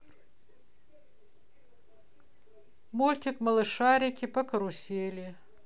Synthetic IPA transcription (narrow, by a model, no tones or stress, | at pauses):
molʲt̪ʲɪkmɐlˠɨʂaɾʲɪkʲɪpɐkɐɾʊsʲelʲɪ